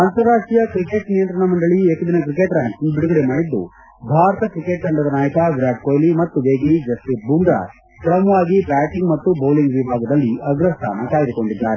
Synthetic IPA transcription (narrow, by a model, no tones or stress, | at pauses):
ant̪ɐɾːaːʂʈɾijɐkɾike̞ʈnijɐnt̪ɾɐɳɐmɐɳɖɐɭieːkud̪inɐk̬ɾikeʈɾaːnsiŋɡbiɽuɡɐɽemaːɽid̪ːṵ | bʱaːɾɐt̪ɐkɾikeʈ̚kɐɳɖɐd̪ɐnaːjɐkɐɡɾaːɖ̚koːjlimɐt̪ːuʋeːɡlid͡ʒɐsʈip̚buːɳɖɾa̰ː | kɾɐmɐʋaːɡipɾaːʈiŋɡmɐt̪ːuboːliŋɡʋibʱaːɡɐd̪ɐlːiɐɡɾɐst̪ʰa̰ːnɐkaːjd̪uko̞ɳɖid̪ːaːɾe